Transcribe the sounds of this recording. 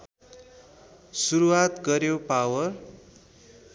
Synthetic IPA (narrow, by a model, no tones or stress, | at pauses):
suɾuwat̪ɡʌɾjopawʌr